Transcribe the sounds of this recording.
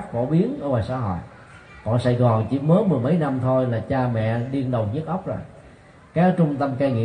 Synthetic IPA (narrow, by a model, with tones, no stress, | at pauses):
k̚fo̰˧˩ɓi˨˦ənʔəː˧˦vaː˨˩sa̰ː˧˥ɦo̰˧˨j | kɔ̰˧˨nsa˧˩jɣɔ˨˩ŋt͡ɕi˧˦məː˨˦mɨ˨˩əjmə˨˦jna˧mt̪ʰo˧jlaː˨˩t͡ɕaː˧mɛ̰˧˨ɗi˧əŋɗə˨˩wɲ˦˥k̚ʔə˦˥wk͡p̚zo˨˩j | kaː˨˦˥t͡ɕʊ˧ŋ͡mt̪ə˧mkaː˧ŋḭ˧˨